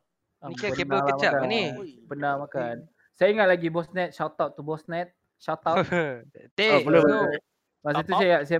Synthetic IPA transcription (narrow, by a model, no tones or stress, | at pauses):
akbəenələmaaanibənamakan | sajaiŋat̪̚laɡibɔsnɛt̪̚ʃat̪awtt̪ːubɔsnɛt̪̚ | ʃawt̪aw̪ | eabəlob | mas̬it̪usaaʔsaja